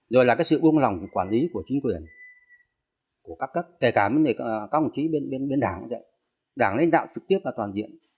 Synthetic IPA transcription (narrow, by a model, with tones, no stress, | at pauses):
zo˨˩jlaː˨˩kaː˨˦˥jsɨ̰˧˨ɓu˧əŋla˨˩wŋ͡mkwaː˧˩nli˨˦ku˧˩ət͡ɕï˨˦ŋ̟kwi˨˩ən | ku˧˩əkaː˦˥kːə˦˥p̚ke˧˩kaː˧˩mi˧˦ne˧˩kaː˦k̚mu˨˩t̚xi˨˦ɓe˧nɓe˧nɓe˧nɗaː˧˩ŋa˨˦zə̰˧˨j | ɗaː˧˩ŋlḭ˧˨nɗa̰ː˧˨wt͡ɕɨ˨˩k̚t̪i˦˥əp̚laː˨˩t̪waː˨˩nzḭ˧˨əm